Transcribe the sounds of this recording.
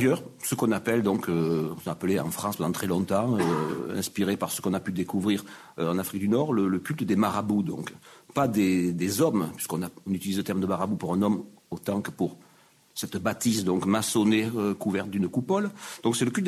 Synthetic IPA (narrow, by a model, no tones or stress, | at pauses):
jœʁsəkɔ̃napɛld̪ɔ̃køɔ̃sɔ̃apəleɑ̰̃fχɑ̃spɑ̃d̪ɑ̃t̪ʰχɛlɔ̃t̪ɑ̃øɛ̰̃spiʁepaʁsə̥kɔ̃napyd̪ekuvʁiʁ | ɑ̃nafχik̚d̪ynɔʁlələkʲylt̪əd̪emaʁabud̪ɔ̰̃kpad̪ed̪ezɔmpɥi̥skɔ̃naɔ̃nyt̪ilizlət̪ɛʁmd̪əmaʁabupuʁɛ̃nɔmot̪ɑ̃kəpuʁ | sɛt̪bat̪isd̪ɔ̃ŋkmasɔneøkuvɛʁt̪̚d̪ynəkupɔld̪ɔ̃ksɛləkʲylt̪